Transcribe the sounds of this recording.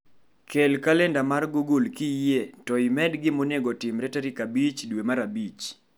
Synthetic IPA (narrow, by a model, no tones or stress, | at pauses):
kʰelkalɛndamarɡuɡulkietɔimɛdɡɪmoneɡotɪmɾɛtaɾikabit͡ʃdwemaɾabit͡ʃ